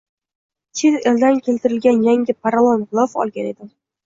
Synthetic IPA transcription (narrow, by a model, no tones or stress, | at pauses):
t͡ʃʰet̪eld̪ankʲʰe̞lt̪ɪɾɪlɡʲanjaŋʲɪpʰaɾlˠɒnlˠɒfɒ̰lˠɡʲane̞d̪ɪm